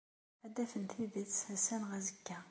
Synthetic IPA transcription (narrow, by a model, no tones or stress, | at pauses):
æd̪ːæfənt̪iðət͡sːæsænʁæzəkːæ